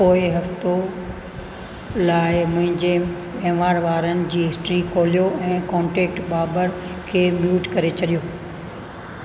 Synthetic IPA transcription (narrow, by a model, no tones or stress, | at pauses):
poːɪɦɐft̪o | laːɪmʊ̃ɦɪ̃ɲd͡ʑe | ẽɦʋaːɾʋaːɾənɪ̆d͡ʑiːɦɪsʈɾikʰoːlijoʔɛ̃ːkɔ̃ːɳʈɛːk̚ʈɓaːbəɾkʰeːmjuːʈkɐɾet͡ɕɐɗijoː